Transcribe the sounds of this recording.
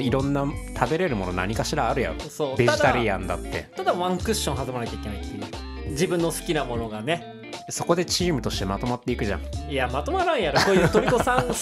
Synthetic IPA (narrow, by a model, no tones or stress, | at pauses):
iɾõ̞nːat̪ʰabe̞ɾe̞ɾɯ̟mo̞no̞na̰ɲ̟ikaɕiɾaːɾɯ̟ja̰ɾo̰soːd̪eʑid̪t̪aɾijãnd̪a̰t̪ːe̞̰t̪ad̪aβãŋkɯ̟ɕːõɦazɨmanakʲaike̞naikʰʲi | d͡ʑibɯ̟̃nːo̞sɨ̥kʲinamo̞no̞ɡane̞ | so̞ko̞d̪e̞t͡ɕiːmɯ̟t̪o̞ɕi̥t̪e̞mat̪o̞mat̪ːe̞ikɯ̟ʑã̰ŋiamat̪o̞maɾãɰ̃jaɾokoːjɯt̪oikosãŋ